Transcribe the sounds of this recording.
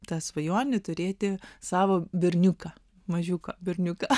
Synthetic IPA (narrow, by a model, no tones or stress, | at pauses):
t̪ɑːsʋɐjoɔnʲɪt̪ʊɾʲeːt̪ʲɪsɑːʋoːbʲɪɾʲnʲʊkɐ | mɐʒʲukɐbʲɪɾʲnʲʊkɐ